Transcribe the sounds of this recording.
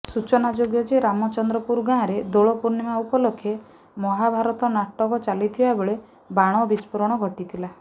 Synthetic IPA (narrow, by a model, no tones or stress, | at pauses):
sut͡ʃɔnad͡ʒoɡjɔd͡ʒeɾamɔt͡ʃɔnd̪ɾɔpuɾɡãɾed̪oɭɔpuɾnimaupɔlokʰːe | mɔɦabʱaɾɔt̪ɔnaʈɔkɔt͡ʃalit̪ʰibabeɭe | baɽ̃ɔbispɔɾɔɽ̃ɔɡʱɔʈit̪ʰila